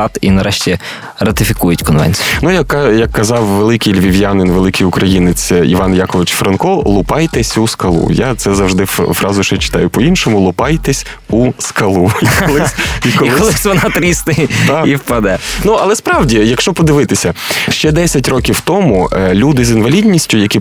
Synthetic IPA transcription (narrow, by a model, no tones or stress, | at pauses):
t̪inɐɾɛʃtʲi | rɐt̪ɪfʲikujʊtʲkɔnʋɛ̰nʲt͡sʲijʊnujɐkːɑjɐkːɐzɑwʋelˠɪkɪjlʲʋʲiʋʲjanɪnʋelˠɪkɪjʊkɾɐjinɪt͡sʲḭʋɑnjɑkɔʋɪt͡ʃfɾɐnkɔlˠʊpɑjt̪ɛsʲuskɐlˠṵjat̪sɛzɐwʒd̪ɪfɾɑzʊʃɛt͡ʃɪ̥t̪ɑjʊpɔinʃɔmʊlˠʊpɑjt̪ɛsʲ | uskɐlˠuiklˠɪikɔlˠɪkɔlˠɪsʲʋɐnɑt̪ɾʲisnɪjt̪ɑiwpɐd̪ɛnuɐlˠɛspɾɑwdʲijɐkʃt͡ʃɔpɔd̪ɪʋɪt̪ɪsʲɐʃt͡ʃɛd̪ɛsʲɐtʲrɔkʲiwt̪ɔmulʲud̪ɪzinʋɐlʲidʲnʲisʲtʲʊjɐkʲi